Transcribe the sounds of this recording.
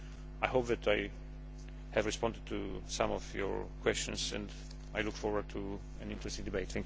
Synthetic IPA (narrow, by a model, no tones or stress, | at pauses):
ajɦoʊp̚ðætaj | hɨvɹɨspɑ̃ndɨd̚tʰusãmɔvjɔ̰˞kʰwɛst͡ʃɨ̃nsɛ̰̃nd | ajlʊkfɔɹwə˞d̚tʰu | ɛ̃nɪ̃ntʰɹɛstɪ̃ŋdɨbeɪt̪θɛ̃ŋk